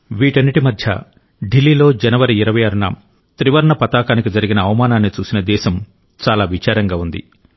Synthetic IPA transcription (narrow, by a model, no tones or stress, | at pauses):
ʋiːʈɐnːiʈimɐd̪ʱjɐ̰ | ɖilːiːlo̞ːd͡ʒɐnɐʋɐɾiiɾɐʋɐjaːɾunɐ̰ | t̪ɾiʋɐɾɐɳɐpɐt̪aːkaːnikid͡ʒɐɾiɡinɐːʋɐmaːnaːnːit͡ʃuːsinɐd̪ɛːʃɐm | t͡ʃaːlaːʋit͡ʃaːɾɐŋɡaːund̪ḭ